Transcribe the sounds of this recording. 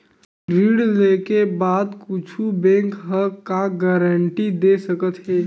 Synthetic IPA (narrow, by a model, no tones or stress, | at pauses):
ɾiːɽlekebaːd̪kʊt͡ʃʰubɛ̃ːŋkɦəkaɡɛɾəɳʈid̪eːsəkət̪ɦɛː